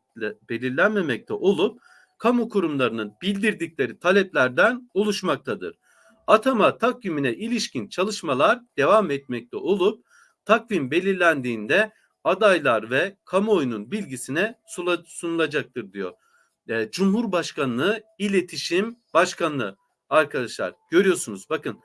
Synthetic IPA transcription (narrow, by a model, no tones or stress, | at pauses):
be̞lʲiɾlʲænme̞mɛc̚t̪ʰɛʔo̞lˠup̚ | kʰamukʰuɾumlˠaɾɯnɯnbilʲd̪iɾd̪icʲlʲe̞ɾit̪ʰalʲɛplʲæɾd̪ænolˠuʃmak̚t̪ʰad̪ɯ̰ɾ̥ | at̪ʰamat̪ʰakjiminɛʔilʲiʃcint͡ʃʰalˠɯʃmalˠaɾd̪̥e̞vamɛt̪̚mɛc̚t̪ʰɛʔo̞lˠup̚ | t̪ʰakvimbe̞lʲiɾlʲænd̪iːnd̪ɛ | ad̪ajlˠaɾvɛkʰamo̞jununbilʲɟisinɛsusunulˠad͡ʒak̚t̪ʰɯɾd̪ijo̞̰ | d͡ʒumhuɾbaʃkanːˠɯilʲe̞t̪ʰiʃimbaʃkanlˠɯ | aɾkʰad̪aʃlˠa̰ɾ̥ɟ̥ø̞ɾijo̞ɾsunuzbakɯn